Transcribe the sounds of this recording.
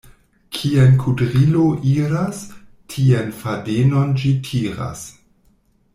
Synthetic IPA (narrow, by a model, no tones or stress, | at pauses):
kʰienkʰudʁiloʔiɾastʰienfadenond͡ʒitʰiɾa̰s